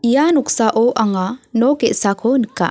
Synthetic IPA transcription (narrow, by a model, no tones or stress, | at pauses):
ijanuksaʔoʔaŋanoɡɛʔsakʰonikːa̰